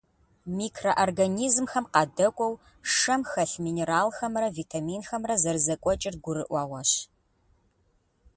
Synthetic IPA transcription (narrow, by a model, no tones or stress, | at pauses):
miːkʰrɐʔorɡɐniːzmxɐmqɑːdɐkʷʼɔw | ʂɐmxɐɬmiːneɾaːlxɐmrɐvitʰamiːnxɐmrɐzɐrzɐkʷʼɔt͡ʃʼɪr̚ɡʷʊɾɨʔʷɑːwɐɕ